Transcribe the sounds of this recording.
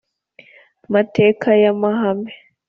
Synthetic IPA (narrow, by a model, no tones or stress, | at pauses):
mateːkʰajamaɦame